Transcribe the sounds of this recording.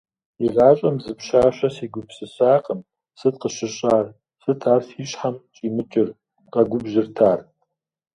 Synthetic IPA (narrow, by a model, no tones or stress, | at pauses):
iɮaːɕʼɐmzɨpʃaːɕɐsiːɡʷʊpʰsɨɕaːqʼəm | sɨt̚qəɕɪɕʼaːr | sɨtʰaːrsiːɕħamt͡ʃʼiːmɨt͡ʃʼɪr | qɐɡʷʊbʒɪrtʰaːr